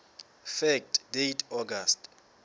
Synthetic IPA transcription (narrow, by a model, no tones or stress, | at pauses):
fɛk̚tʰʼdejtʰɔɡast